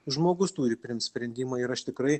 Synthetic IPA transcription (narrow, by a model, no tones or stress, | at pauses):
ʒmoːɡʊst̪uːɾʲɪpʲɾʲɪnt̪sʲpʲɾʲɛnʲd̪ʲiːmɑːɪɾɐʃt̪ʲɪkɾɐɪ